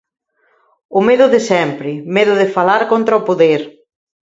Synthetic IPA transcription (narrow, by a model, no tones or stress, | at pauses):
ʊmeðʊðɪsɛmpɾɪmeðʊðɪfalaɾkont̪ɾaopoðeɾ